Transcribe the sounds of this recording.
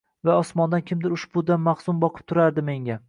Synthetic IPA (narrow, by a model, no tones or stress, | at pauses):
vaɒsmɒnd̪ankʲʰɪmd̪ɪɾʊʃbʊd̪anmaχsʊmbɒqʰɨ̥p̚t̪ʰʊɾaɾd̪ɪme̞ŋʲa